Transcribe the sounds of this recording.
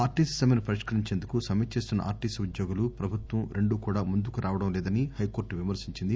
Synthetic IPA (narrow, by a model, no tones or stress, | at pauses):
aːɾʈiːssɐmɐnipɐɾiʂkɐɾiɲt͡ʃeːnd̪ukusɐmɐt͡ʃːe̞ːst̪unːɐ̰ʔa̰ːɾʈiːsud̪joːɡulupɾɐbʱut̪ʋɐmɾe̞ɳɖuːkuːɽaːmund̪ukuɾʔaːʋɐɽɐmlɛːd̪ɐnihɐjko̞ːɾʈʋimɐɾsiɲt͡ʃind̪i